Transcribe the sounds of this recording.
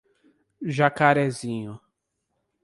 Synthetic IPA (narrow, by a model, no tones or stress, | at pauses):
ʒakaɾɛzĩɲʊ